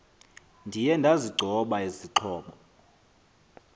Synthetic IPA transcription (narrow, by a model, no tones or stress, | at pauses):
ndʱijɛndʱaziɡ͡ǀʱɔɓaiziǃʰɔːɓɔ